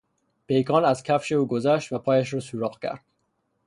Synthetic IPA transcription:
pejkɒnæzkʰafʃeuɡozæʃt̪vapʰɒjaʃɾɔsuɾɔqkæ̰ɾd̪̥̚

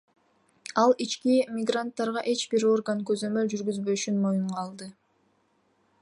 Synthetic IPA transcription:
ɑlˠit͡ʃkimʲɪɡrant̪ːɑɾʁɑʔe̞t͡ʃbiɾo̞rɡankø̞zø̞mø̞ld͡ʒyɾɡyzbø̞ʃynmo̞juɴʁɑlˠd̪ɯ

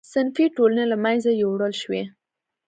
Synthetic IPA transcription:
sɪnfiʈolanelamajnzajawɽəlʃwe

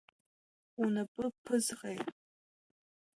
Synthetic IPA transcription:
unɐpʼɨpʰɨzʁej

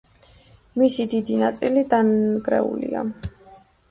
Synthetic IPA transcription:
misid̪id̪inat̪sʼilid̪anɡɾɛ̰ṵlḭa̰

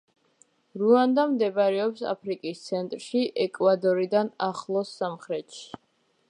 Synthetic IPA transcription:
ɾuand̪amd̪ɛbaɾɛɔpsa̰pʰɾikʼist̪sʰɛnt̪ʼɾʃiʔɛkʼwad̪ɔɾid̪anaχlˠɔsːamχɾɛt̪ʃi̥

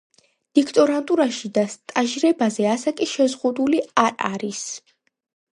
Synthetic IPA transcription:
d̪̥ikʰt̪ʼɔɾant̪ʼuɾaʃid̪ast̪ʼaʒɾɛbazɛasakʼiʃɛzʁud̪uliaɾa̰ɾis

